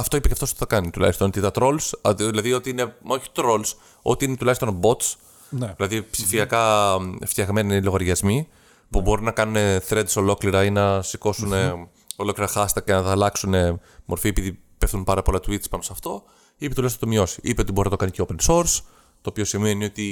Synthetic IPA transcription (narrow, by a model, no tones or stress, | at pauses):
ɐft̪o̞ipeceɐft̪oso̥t̪i̥θɐkɐnit̪ulɐ̰çst̪ont̪it̪ɐt̪ɾo̞lsðilɐðio̞t̪iine̞moçi̥t̪ɾo̞ls | o̞̰t̪iinet̪ulɐçst̪onbo̞t̪s | ðilɐðipsifiɐkɐft̪çɐɣme̞nilo̞ɣɐɾʝɐzmi | pubo̞ɾinɐkɐnune̞θɾe̞d̪eso̞lo̞kliɾɐinɐsiko̞sune | o̞lo̞kliɾɐxɐst̪ɐkcenɐðɐːlɐksune̞ | mʔo̞ɾfie̞piði | pefθunpɐɾɐpo̞lɐt̪uit̪spɐnosɐft̪o̞ | ipet̪ulɐjsɐt̪omio̞si̥ʔipeo̞t̪ibo̞ɾinɐt̪okɐniceope̞nso̞ɾs | t̪o̞ːpio̞simenio̞t̪i